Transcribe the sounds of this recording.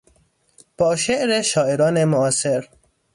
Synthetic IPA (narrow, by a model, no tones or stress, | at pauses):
b̥ɒːʃeʔɾeʃɒːeɾɒːne̞moɒːseɾ